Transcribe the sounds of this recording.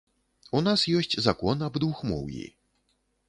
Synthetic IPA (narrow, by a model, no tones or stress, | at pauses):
unasjɔsʲt͡sʲzakɔnɐbd̪vuxmɔ̰wjḭ